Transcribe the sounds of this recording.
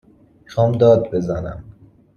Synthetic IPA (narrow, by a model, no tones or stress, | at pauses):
ʃɒːmd̪ɒːd̪̚be̞zænæ̰m